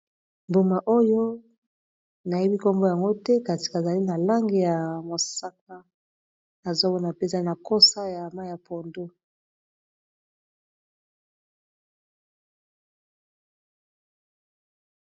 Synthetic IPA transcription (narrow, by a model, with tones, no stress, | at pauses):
mbo˨ma˨ʔo˦jo˦ | na˨je˦bi˦ko˦mbo˦ja˨ŋɡo˦tɛ˦ka˨ti̥˨ka˨za˨li˦na˨la˦ŋɡe˦ja˨mo˨sa˦k̚a˦ | na˨zo˦bo˦na˨pe˦za˦i˦na˨ko˦sa˦ja˨ma˦ja˨pʰo˨ndo˦